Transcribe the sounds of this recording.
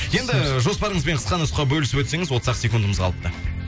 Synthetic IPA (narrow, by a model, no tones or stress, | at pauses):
je̞nd̪ɪʒo̞spɑɾəɴəzbe̞ɴqʰə̥sqɑnʊsqɑbɵlɪsɪpwɵt̪se̞ŋɪzwot̪sɑqsʲekund̪əməzʁɑlˠəp̚t̪ə